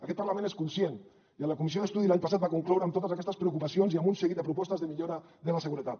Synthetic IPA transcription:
akɛt̪̚paɾlamẽneskunsjen | iələkumis̬ioðest̪uðilaɲpas̬at̪̚bakuŋklɔwɾəamt̪ot̪əzakɛst̪əspɾeukupasionziambunseɣit̪d̪d̪əpɾupɔst̪əzðəmiʎoɾa | ðəlaseɣuɾət̪at̪̚

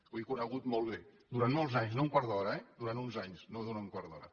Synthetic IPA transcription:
wikunəɣut̪molˠβe | d̪uɾant̪molˠzaɲznouŋkwaɾðɔɾəɛd̪uɾant̪unzaɲznoðuauŋkwaɾðɔɾə̰

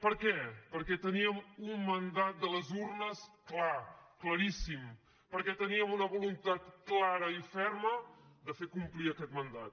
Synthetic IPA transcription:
pəɾkɛpəɾkɛt̪əniəmumːənd̪at̪̚d̪ələzurnəsklakləɾisim | pəɾkɛt̪əniəmunəβulunt̪at̪̚klaɾəifɛrməd̪əfekumpliəkɛt̪mənd̪at̪̚

